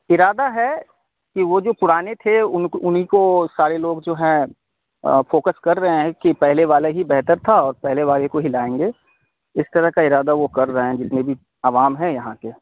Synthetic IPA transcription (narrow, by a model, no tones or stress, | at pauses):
ɪɾaːd̪aɦɛ | kiʋod͡ʒoːpʊɾaːnet̪ʰeʊnʊnɦikosaːɾeloːɡd͡ʒoːɦɛ̃ | foːkəskɐɾːɐɦẽɦɛ̃kipɛɦleʋaːleɦibɛɦt̪əɾt̪ʰaɔːɾpɛɦleʋaːlekoɦilaːẽːŋɡeː | ɪst̪ɐɾəɦkaɪɾaːd̪aʋokɐɾːɐɦẽd͡ʒɪt̪nebʱi | ɐʋaːmɦɛ̃jɐɦãkeː